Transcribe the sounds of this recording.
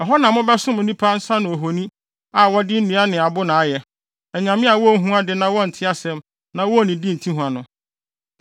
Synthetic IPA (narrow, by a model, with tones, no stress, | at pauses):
ɔ˨ɦɔ˦nã˨mʊ̃˦bɛ˦sʊ̃˦mʊ̃˨nĩ˦pʰa˦n̩˦sa˦nʊ̃˨o˨ɦo˨nĩ˦ | a˨wɔ˦dɪ˦n̩˦nũ˨˦a˦nɪ̃˨a˨bʊ˦nã˨a˦jɛ˨ | ɛ˨ɲã˨mɪ̃˦a˨wɔ˦ɦũ˦a˦dɪ˨nã˦wɔ˦n̩˨tʰɪ˦a˦sɛ̃˦m | nã˦wɔ˦˨nĩ˨di˦n̩˨tʰĩ˦ɦũ˨a˨nʊ̃˨